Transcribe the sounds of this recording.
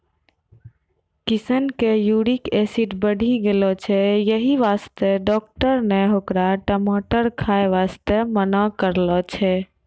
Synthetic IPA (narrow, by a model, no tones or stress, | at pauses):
kisənkejuɽikesiʈbəɽʱiɡelɔt͡ʃʰɛjəɦiʋast̪eɖɔːk̚ʈəɾneɦokɾaʈəmaʈəɾkʰaeʋast̪emənakəɾlɔt͡ʃʰɛ